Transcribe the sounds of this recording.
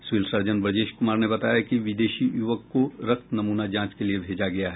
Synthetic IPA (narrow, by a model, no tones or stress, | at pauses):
sʋiːlsɐɾd͡ʒənbɾɐd͡ʒeːʃkʊmaːɾnebɐt̪aːjakiʋɪd̪eːʃijuʋəkːoɾɐk̚t̪nɐmuːnad͡ʒãːt͡ʃkeliebʱeːd͡ʒaɡɐjaɦɛː